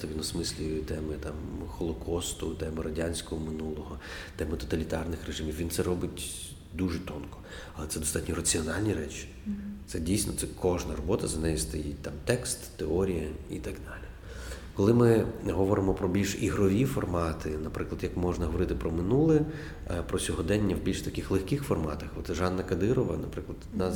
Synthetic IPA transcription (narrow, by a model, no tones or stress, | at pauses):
ɐʋʲinɔsmɪsʲlʲijt̪ɛmɪt̪ɑmxɔlˠɔkʰɔst̪ʊt̪ɛmɪɾɐdʲanʲsʲkɔɦɔmɪnulˠɔɦɔt̪ɛmɪt̪ɔ̥t̪ɐlʲit̪ɑrnɪxreʒɪmʲiwʋʲint̪sɛɾɔbɪtʲ | d̪uʒɛt̪ɔnkɔ̥ | ɐlˠɛt̪sɛd̪ɔst̪ɑtʲnʲɔrɐt͡sʲiɔnɑlʲnʲiɾɛt͡ʃi̥ | t̪sɛdʲijsʲnɔt̪sɛkʰɔʒnɐrɔbɔt̪ɐzɐnɛjist̪ɐjit̚ʲt̪ɑmt̪ɛkst̪ːeɔɾʲijɐit̪ɑɡd̪ɑlʲi | kɔlˠɪmɪɦɔʋɔɾɪmɔpɾɔbʲilʲʃiɦɾɔʋʲifɔrmɑt̪ʰɪnɐpɾɪklˠɐd̪jɐkmɔʒnɐɦɔʋɔɾɪt̪ɪpɾɔmɪnulˠɛ | pɾɔsʲɔɦɔd̪ɛnʲːɐwbʲilʲʃt̪ɐkɪxlˠexkɪxfɔrmɑ̰t̪ɐxɔt̪ʒɑnːɐkɐd̪ɪɾɔʋɐ̰nɐpɾɪklˠɐd̪d̪nɑ